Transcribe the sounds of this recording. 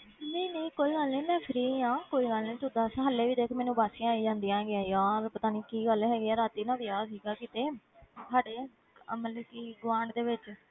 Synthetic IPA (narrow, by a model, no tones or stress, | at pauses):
nəːnəːkoːiːɡəlnĩːmɛ̃ːpʰɪɾiːãːkoːiːɡəlnĩːt̪ʊd̪aːsãːɦəlːeːʋiːd̪eːkʰmɛːnũːbaːsɪ̃ãːiːd͡ʒãːnd̪iːãːɡɪjãːjaːɾpət̪aːniːkiːɡəlɦɛːɡɪɛːɾaːt̪iːnãːʋɪaːsiːɡaːkɪt̪eː | saːɽeː | məlekiːɡʋãːɳɖd̪eːʋɪt͡ʃ